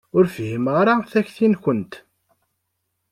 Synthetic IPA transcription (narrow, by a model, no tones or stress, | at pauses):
ʊɾfhiməʁɾˤaθæçθinçənt̪